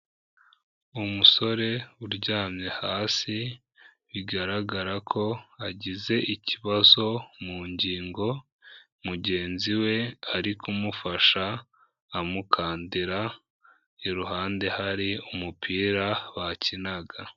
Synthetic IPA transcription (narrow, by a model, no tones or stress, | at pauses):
umuso̞ɾe̞uɾɟaːmɲe̞haːsi | βiɡaɾaɡaɾakʰo̞aɟize̞ʔiciβazo̞muːɲɟiːŋɡo̞ | muɟe̞ːnziwe̞aɾikʰumufaʃaː | mukʰaːndiɾa | iɾuɦaːnde̞haɾiumupʰiːɾaβacinaɡa